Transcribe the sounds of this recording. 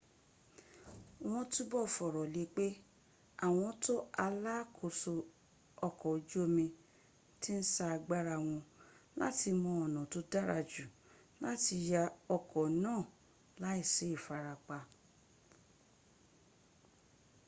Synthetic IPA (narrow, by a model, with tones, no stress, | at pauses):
w̃ɔ̃˧˦tũ˦bɔ˦˨fɔ˨ɾɔ˨le˨˧˦k͡pe˦ | a˦˨w̃ɔ̃˧to˦a˧la˦kʰo˨so˧ | ɔ˧kɔ˨˦d͡ʒu˦o˧mĩ˧ | ti˦n̩˦sa˦a˧ɡ͡ba˦ɾa˧w̃ɔ̃˧la̰˦ti˧mɔ̃˧ɔ˨nã˨to˦da˦ɾa˧d͡ʒu˨ | la˦ti˧ja˧ɔ˧kɔ˨nãː˦˨ | la˦i˦˨se˨˦i˦˨fa˧ɾa˧k͡pa˧